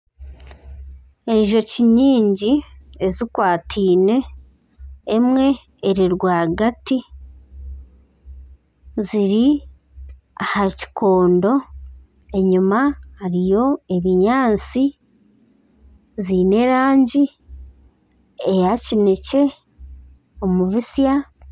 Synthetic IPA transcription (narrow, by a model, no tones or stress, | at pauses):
e̞ɲʒo̞ciɲiːɲɟiezikwaːtʰiːne̞ | mŋe̞ː | ɾiɾɡwaːɡati | ziɾi | ahaci̥kʰo̞ːndo̞ | e̞ɲumahaɾijo̞e̞βiɲaːnt͡si | ziːne̞ɾaːɲɟi | ejacine̞ce̞ | omuβisja